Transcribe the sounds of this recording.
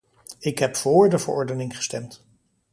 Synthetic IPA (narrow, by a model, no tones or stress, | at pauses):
ɪkɦɛpfʊːɹdəvə̰ɹɔɹdənɪŋχə̥stɛmt